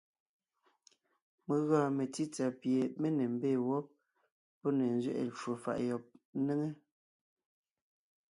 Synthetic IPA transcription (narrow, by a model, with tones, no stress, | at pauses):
me˨ɣaː˨me˨ti˦t͡sa˨pje˨me˦ne˨m̩˨beː˦˨wɔ˦p̚ | pɔ˦ne˨n˦zɥḛ˦ʔḛ˨t͡ʃo˨fa̰˨ʔjɔ˨p̚ne˦ŋe˦